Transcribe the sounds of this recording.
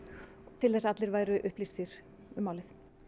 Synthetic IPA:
t̪ʰɪlθɛsaat̪lɪɾvaːjɾʏʔʏhplist̪fiɾ̥ | ʏmːaːwlɪθ

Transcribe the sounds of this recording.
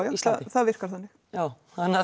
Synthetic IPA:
wjast̪θaðvɪr̥kaɾ̥θanːɪx | jaːw | hanːa

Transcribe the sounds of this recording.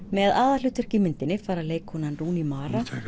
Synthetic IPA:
mɛðaːðal̥ʏːt̪œr̥cɪmɪnt̪ɪnːɪfaːɾaleːjkhɔnanruːnimaːɾa

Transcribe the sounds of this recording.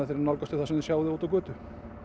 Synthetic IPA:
ɪθeɾɾnalkɔt̪ɪθasɛmðɪsjaːwðɪoːt̪awkvœːt̪ʏ

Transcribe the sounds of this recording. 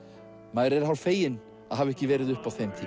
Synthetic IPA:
maːðɾɛɾ̥hawlfeːjɪn | aðɦavɛhcɪvɛːɾɪðʏhpawθejmt̪ʰi

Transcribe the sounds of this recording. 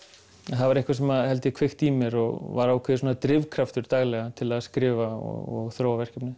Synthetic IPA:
ɛnθaðvaɾɪhkvas̬ɛmaðhɛl̪t̪ɪkʰvɪxt̪iːmɛɾɔɣvaɾawkʰvɛðɪsoːnat̪ɾɪvkʰɾaft̪ʏɾ̥t̪aɣlɛɣat̪ʰɪlaðskɾɪːvaɔ̰ɔɣθɾoːwavɛr̥cɛpnɪ

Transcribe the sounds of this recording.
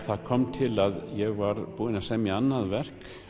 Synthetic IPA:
θaðkʰɔmt̪ʰɪlaðjɛɣvaɾpuːðɪnasɛmianːaðvɛr̥k

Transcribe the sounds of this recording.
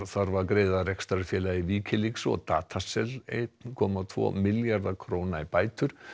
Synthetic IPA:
θaɾvaɾkɾeːjðarɛkst̪ɾaɾfjɛːlaiviːcʰɪliksɔ̰ɣt̪a̰ːt̪ʰasɛlḛjt̪nkʰɔːmat̪ʰvɔ̰mɪljaɾðakʰɾoːwnaipaːjt̪ʏɾ̥

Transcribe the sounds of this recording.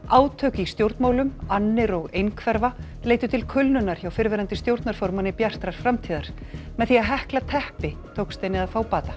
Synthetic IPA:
aːwt̪ʰœːcɪist̪jowɾt̪maːwlʏmanːɪɾɔɣejnkʰvɛɾva | leːjt̪ʏt̪ʰɪlkʰʏlnʏnaɾ̥çawfɪɾvɛːɾant̪ɪst̪jowɾt̪naɾ̥fɔɾmanɪpjar̥t̪ɾaɾ̥fɾamt̪ʰiːðaɾ̥ | mɛðθiaɦɛhklat̪ʰɛhpɪt̪ʰowkst̪ejnɪðaðfaːwpaːt̪ḁ

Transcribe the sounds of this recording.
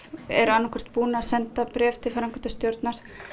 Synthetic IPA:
ɛ̰ɾʏanːakʰɛ̥r̥t̪̚puːnaasɛnt̪apɾɛːft̪ʰɪlfaɾaŋkʰɛnt̪ast̪jowɾt̪naɾ̥

